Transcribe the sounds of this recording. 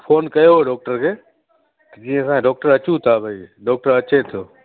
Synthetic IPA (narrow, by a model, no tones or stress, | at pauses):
foːnkɐjoɦeɖɔːk̚ʈəɾkʰeː | t̪ɐd͡ʑĩːə̃sãːɖɔːk̚ʈəɾɐt͡ɕũt̪ʰabʱɐiɖɔːk̚ʈəɾɐt͡ɕet̪ʰoː